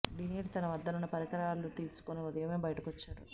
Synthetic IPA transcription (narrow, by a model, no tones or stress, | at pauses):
ɖiniːʈt̪ɐnɐʋɐd̪ːɐnunːɐpɐɾikɐɾɐaːlut̪iːsu̥koneud̪ɐjɐmeːbɐjɐʈɐkot͡ʃːaːɾu